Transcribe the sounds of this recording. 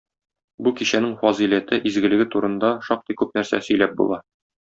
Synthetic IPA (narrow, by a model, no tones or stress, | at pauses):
bukiɕænɘŋfɒzilæt̪ɘʔizɡɘ̆lɘ̆ɡɘt̪uɾɤ̆nd̪ɑʃɒq̚t̪ɤjkʉp̚næɾsæ̰sɵ̆jlæp̚bṵlˠɑ